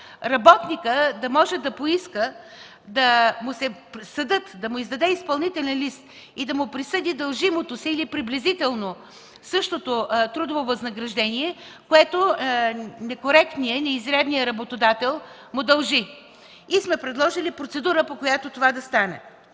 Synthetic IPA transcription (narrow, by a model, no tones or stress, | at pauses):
ɾɐbɔt̪nikəd̪ɐmɔʒɛd̪ɐpoiskə | d̪ɐmʊsɛsɐd̪ɤt̪d̪ɐmʊizd̪ɐd̪ɛispɐlˠnit̪ɛlʲɛnlist̪ | id̪ɐmʊpɾisɤd̪id̪ɐlˠʒimot̪osiːlipɾiblʲizit̪ɛlˠno | sɤʃt̪ot̪ot̪ɾud̪ovovɐznɐɡɾɐʒd̪ɛnʲiɛ | koɛt̪o | nɛkoɾɛkt̪nijənɛizɾɛd̪nijəɾɐbot̪od̪at̪ɛlˠ | mʊd̪ɐlˠʒi | ismɛpɾɛd̪lˠɔʒilipɾot̪sɛd̪uɾəpokojat̪ot̪ovad̪ɐst̪anɛ̰